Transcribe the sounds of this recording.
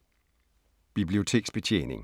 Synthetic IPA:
b̥ib̥lio̝t͡sʰe̝̰ːɡ̥sb̥et͡ɕʰḛne̝ŋ

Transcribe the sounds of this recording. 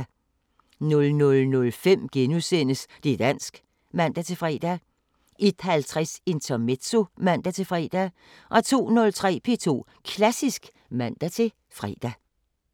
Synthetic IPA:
nɔ̽lnɔ̽lnɔ̽lfem̰ɡ̥enusen̰əsd̥e̝d̥æn̰sɡ̥ | mæn̰d̥æt͡sʰe̝fʁɛ̰d̥æ | ʔe̝d̥hælt͡sʰʁɛse̝nt͡sʰɐmed̥so̝mæn̰d̥æt͡sʰe̝fʁɛ̰ːd̥æ | ʔɒ̽t͡sʰo̝̰ːnɔ̽lt͡sʰʁɛ̰ːpʰe̝ːt͡sʰo̝̰ː | kʰlæsisɡ̥ | mæn̰d̥æt͡sʰe̝ | fʁɛ̰ːd̥æ

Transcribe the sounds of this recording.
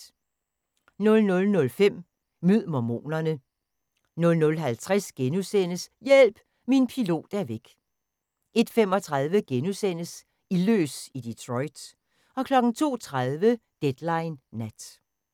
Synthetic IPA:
nɔ̽lnɔ̽lnɔ̽lfem̰ | myð̰ˠmɒmo̝̰ːnɐnə | nɔ̽lnɔ̽lɦælt͡sʰʁasɡ̥enusen̰əsjel̰b̥ | minpʰilo̝̰ːd̥æɐʋeɡ̥ | ʔe̝d̥fem̰ɒ̽t͡sʰʁað̞ˠʋəɡ̥enusen̰əs | ilø̰ːsid̥it͡sʰʁɔ̽ɪd̥s | ɒ̽kʰlɒ̽ɡ̥n̩t͡sʰo̝̰ːt͡sʰʁað̞ˠʋəd̥ed̥lɑ̈ɪnːæd̥

